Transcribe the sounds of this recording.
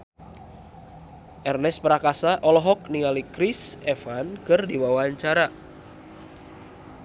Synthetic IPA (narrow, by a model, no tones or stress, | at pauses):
ʔɛrnɛspəɾakasaʔɔlɔɦɔk̚niŋalikɾisɛfankɨrdiwawaɲt͡ʃaɾa